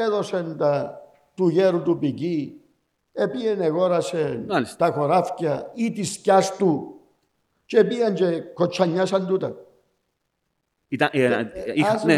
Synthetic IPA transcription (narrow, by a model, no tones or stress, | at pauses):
eðosent̪a | t̪uʝeɾut̪upiki | epieneɣoɾasenalist̪axoɾafcait̪iskast̪u | t͡ʃepiant͡ʃekot͡ʃːaɲːasand̪ut̪a | it̪aie